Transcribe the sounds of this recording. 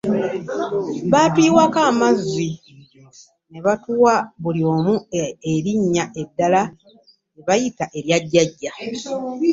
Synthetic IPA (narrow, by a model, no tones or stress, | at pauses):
βaːtiːwakaːmazːi | ne̞βatuwaβulio̞ːmueɾiɲːaʔe̞dːala | neβajitaʔe̞ɾjaɟːaɟːa